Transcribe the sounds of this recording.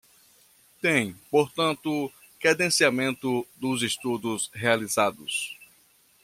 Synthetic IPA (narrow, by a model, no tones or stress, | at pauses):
t̪ẽj̃poɾt̪ɐ̃nt̪ʊ | kɾɛd̪ẽsiamẽnt̪ʊd̪ʊzest̪ud̪ʊsɦealizad̪ʊ̰s